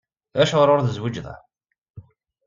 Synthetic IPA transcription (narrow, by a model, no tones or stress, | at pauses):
ðæʃʁɾʊɾðəzwid͡ʒðæ̰